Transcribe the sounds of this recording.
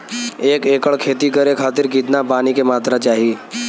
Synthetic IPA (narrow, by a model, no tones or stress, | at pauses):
eːkeːkəɭkʰeːt̪ikəɾekʰaːt̪ɪɾkɪt̪napaːnikemaːt̪ɾat͡ʃaːɦiː